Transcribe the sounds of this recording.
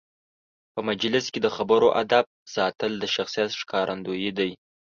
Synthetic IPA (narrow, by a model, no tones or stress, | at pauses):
pəmad͡ʒlɪsked̪əxabəɾoʔa̰d̪ab̚sɑt̪əld̪əʃaxsijat̪ʂkʰɑɾʔand̪ojid̪aj